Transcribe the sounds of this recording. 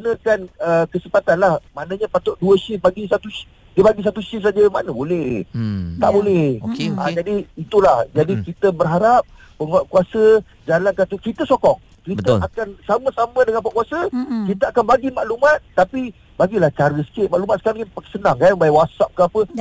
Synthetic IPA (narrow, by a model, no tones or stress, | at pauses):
nə̃kanəkəsəpat̪anlahmanãɲapat̪oʔduəsəhbaɡisat̪u | diəbaɡis̬at̪uʃəhs̬ad͡ʒəmanəbolɛht̪a̰ʔbolɛhokea̰d͡ʒadiːt̪ulahd͡ʒadikit̪əbərɦaɾap̚ːəŋɔʔkuasə | d͡ʒalankat̪ukɾit̪əsɔkɔŋ | kɾibət̪əakansamə̃samə̃dəŋanpaʔkuasəkit̪əakanbaɡimaʔlumat̪̚ːapi | baɡilaht͡ʃaɾəsə̥kɪʔ̪̚maʔlumat̪sə̥kaɾaŋpaksənaŋkanbaawasap̚kəapə